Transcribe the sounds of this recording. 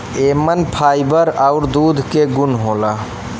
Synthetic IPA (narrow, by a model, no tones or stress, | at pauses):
emənpʰaːjbəɾaʊɾd̪uːd̪ʱkeɡunɦola